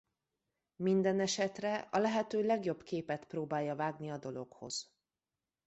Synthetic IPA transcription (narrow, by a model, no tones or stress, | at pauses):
mind̪ɛnɛʃɛt̪rɛɒlɛɦɛt̪øːlɛɡjo̞bkeːpɛt̪proːbaːjːɒvaːɡniɒd̪o̞lokho̞̰z̥